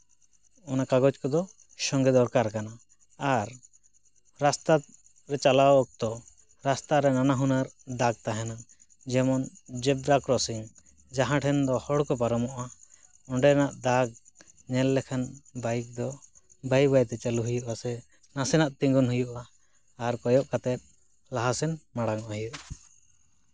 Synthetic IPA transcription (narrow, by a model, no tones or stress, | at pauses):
ɔnakaɡɔt͡ʃkɔd̪ɔ | ʃɔŋɡɛd̪ɔɾkaɾkanaː | ɾ | ɾast̪a | ɾɛt͡ʃalawɔk̚t̪ɔ | ɾast̪aɾɛnanaɦunaɾd̪aɡ̚t̪aɦɛna | d͡ʒɛmɔnd͡ʒɛbɾakɾɔsiŋ | d͡ʒaɦãʈʰɛnd̪ɔhɔɽkɔpaɾɔmɔʔa | ɔɳɖɛnaʔd̪aɡ̚ | ɲɛlːɛkʰanbajk̚d̪ɔ | bajbajt̪ɛt͡ʃaluɦujuʔasɛ | nasɛnaʔt̪iŋɡɔnɦujuʔaː | ɾkɔjɔʔkat̪ɛt̪̚ | laɦasɛnmaɽaŋɔʔhujuʔa